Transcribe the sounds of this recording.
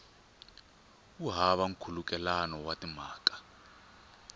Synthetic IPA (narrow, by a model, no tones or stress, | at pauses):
uɦaβaŋ̩kʰuluk̬ʼɛlanɔwatʼimaːkʼḁ